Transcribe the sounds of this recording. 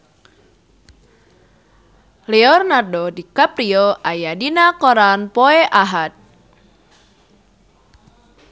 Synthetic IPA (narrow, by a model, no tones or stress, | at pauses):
leɔrnardɔdikapɾiɔʔajadinakoɾanpɔeʔaɦat̪̚